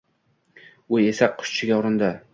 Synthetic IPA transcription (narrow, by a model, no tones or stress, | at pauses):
ʊesaqʰʊ̥ʃt͡ʃʰɪɡʲaɒɾɪnd̪a